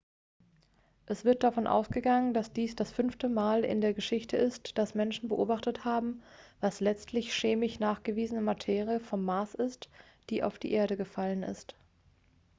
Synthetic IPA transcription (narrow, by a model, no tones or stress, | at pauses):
ʔɛsv̥ɪɐt̚d̥afɔnʔa̰ʊsɡ̥əɡaŋəndasd̥iːsd̥asfʏnftəmaːlɪ̰ndeːɐɡəʃɪçtəɪstd̥asmɛnʃn̩bəʔoːbaχtəthaːbm̩vaslɛt͡stʰlɪçʃeːmɪçnaːχɡ̥əviːzənəmatʰeːʁiəfɔmːaːsɪst | d̥iːʔa̰ʊfd̥ḭːʔeːɐɾəɡəfalənɪ̰st